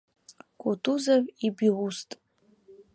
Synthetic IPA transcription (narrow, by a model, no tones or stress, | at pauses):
kʷʼotʰʼuzavibiwustʼ